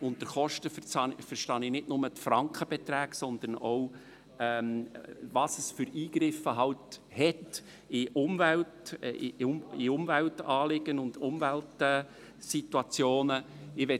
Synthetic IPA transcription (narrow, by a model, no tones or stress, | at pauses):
ʊnt̪əɾχɔʃtəfət͡sɑfəɾʃtɑnɪnɪtnʊmət̪frɑŋkχəb̥ɛt̪ɾæːksɔnd̪ənow | ɛmvɑsəsfʏɾiːɡɾɪfəɦɑwthɛt | ɪʔʊmvælt | ɪʊmvæltɑːlɪɡ̥ənʊndʊmvæltɛ | situɑt͡sjoːnə | ɪʋɛ